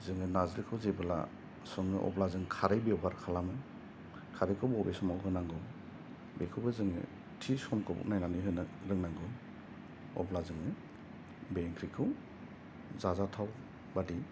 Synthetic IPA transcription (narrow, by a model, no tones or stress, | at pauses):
zɯŋɯnazɾɯkʰɯwzebɯla̰ | sɔŋːɯ̰ʔɔ̰blazɯŋkʰaɾejbeɔbaɾkʰalamɯ | kʰaɾɯjkʰɯwbɔbesɔmawɡɯnaŋɡɯ | bekʰɯbɯzɯŋɯ̰ | tʰisɔmkʰɔbṵk̚najnanɯɦɯnɾɯŋnaŋɡɯ | ɔ̰blazɯŋɯ | beŋkʰɾikʰɯw | zazatʰaw | badi